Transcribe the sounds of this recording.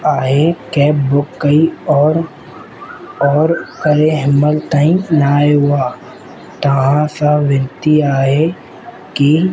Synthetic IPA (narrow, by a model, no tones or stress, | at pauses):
aːɦekɛːpbʊkːəiɔːɾ | ɔːɾkəɾeɦəməlt̪aĩnaːeɦʊaː | t̪ɐɦãsaʋɪnt̪iaːɦe | ki